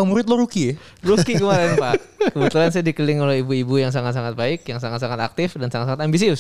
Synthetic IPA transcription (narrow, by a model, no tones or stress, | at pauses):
amuɾɪt̪̚loɾuki | ɾukikəmaɾɪnpakəbət̪ulans̬aadikəlɪŋolɛhibuibujaŋs̬aŋat̪̚saŋat̪̚baɪk̚jaŋs̬aŋat̪̚saŋat̪ak̚t̪ɪfdansaŋat̪saŋat̪ambis̬is